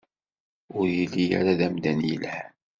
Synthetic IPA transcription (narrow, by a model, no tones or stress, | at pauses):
ʊɾjəlːija̰ɾaðæmd̪ænjə̰lhæn